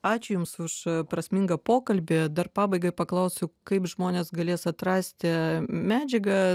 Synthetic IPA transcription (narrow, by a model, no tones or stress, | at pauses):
ɑːt͡ʃʲʊjʊmsʊʃpɾɐsʲmʲɪŋɡɐpoːkɐlʲbʲɪd̪ɐrpɑːbɐɪɡɐɪpɐklˠɐʊsʲʊkɐɪpʒmoːnʲeːsɡɐlʲeːsɐt̪ɾɑːsʲt̪ʲɪmʲæːd͡ʒʲɛɡɐ